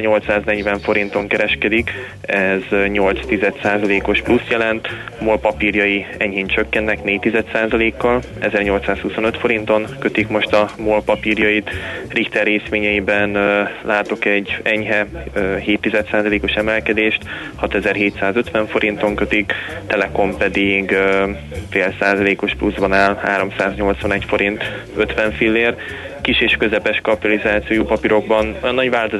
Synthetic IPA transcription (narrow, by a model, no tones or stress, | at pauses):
ɲo̞lt̪saːznɛɟvɛɱfo̞ɾint̪o̞ŋkɛɾɛʃkɛd̪ik | ɛzɲo̞lt̪st̪izɛt̪saːzɒleːko̞ʃplust̪jɛlɛnt̪moːlpɒpirjɒjiɛɲɦeːɲt͡ʃøkːɛnːɛkneːct̪ːizɛt̪saːzɒleːkːɒl | ɛzɛrɲo̞lt̪saːshuso̞nø̞t̪fo̞ɾint̪o̞ŋkøt̪ikmo̞ʃt̪ɒmoːlpɒpiːrjɒjit̪rikt̪ɛrːeːsʋeːɲɛjibɛnlaːt̪o̞kɛɟːɛɲɦɛɦeːt̪ːizɛt̪saːzɒleːko̞ʃɛmɛlkɛd̪eːʃt̪ | hɒt̪ɛzɛrɦeːt̪saːzø̞t̪ʋɛɱfo̞ɾʔint̪o̞ŋkø̞t̪ikt̪ɛlɛko̞mpɛd̪iɡ | feːlsaːzɒleːko̞ʃpluzbɒnaːlha̰ːɾo̞msaːzɲo̞lt̪sʋɒnɛcfo̞ɾint̪ | øt̪ʋɛɱfilːeːr | kiʃeːʃkø̞zɛpɛʃkɒpit̪ɒlizaːt̪sioːjoːpɒpiɾo̞ɡ̚bɒnojɒnːɒɟʋaːlt̪oz